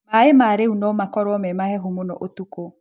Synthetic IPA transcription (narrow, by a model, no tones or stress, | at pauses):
maemaːɾeunɔmakɔɾwɔmɛmahɛɦomonɔ̰ʔotuko